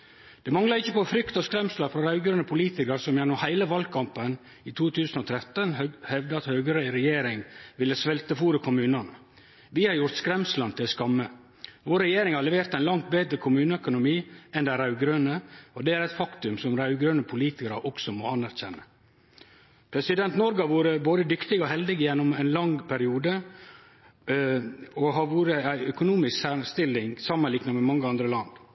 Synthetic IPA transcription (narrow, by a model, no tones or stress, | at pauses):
d̪̥ɛmɑŋlɑɾɪçːəpɔfɾʏkt̪ɔskɾɛmslɑɾfɾɑɾɑʉɡɾøːnəpʰʊliːt̪ɪkəɾsɔmjɛnʊmhæɪləʋɑlɡkʰɑmpən | iːt̪ʰuːt̪ʰʉːsənɔːt̪ʰɾɛt̪ːənhɛʋd̪əɑt̪hœːɡəɾəɾɛjeːɾɪŋʋɪlːəsʋɛlt̪əfuːɾəkʰʊmʉːnɑnə | ʋɪhɑɾjʊɾt̪skɾɛmslɑnt̪ʰɪlskɑmːə | ʋoːɾːɛjeːɾɪŋhɑɾlɛʋeːɾt̪æɪnlɑŋt̪̚beːd̪ɾəkʰʊmʉːnəœkʊnʊmiːɛnd̪æɾɑʉɡɾœnəɔd̪ɛæɾɛɪt̪fɑkt̪ʉmsɔmɾɑʉɡɾœnəpʰʊliːt̪ɪkəɾɑʔɔksɔmɔɑnːæɾçɛnːə | pʰɾɛsɪd̪ɛnt̪nɔɾɡəɑʋuːɾəboːd̪əd̪ʏkt̪ɪɡɔɦɛld̪ɪɡəjɛnːʊmæɪnlɑŋpʰæɾɪuːd̪ə | ɔɦɑʋuːɾəæɪœkʊnuːmɪsksæst̪ɪlɪŋsɑmːənlɪːknɑmɛmɑŋːəɑnd̪ɾəlɑnd̪